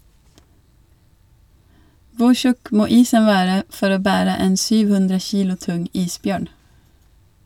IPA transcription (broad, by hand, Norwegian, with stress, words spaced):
ˈʋʊ ˈçʉk ˈmoː ˈiːsən ˈʋæːɾə ˈfɔɾ ˈoː ˈbæːɾə ˈeːn ˈsyːʋ ˈhʉndɾə ˈçiːlʊ ˈtʊŋ ˈiːsˌbjøːɳ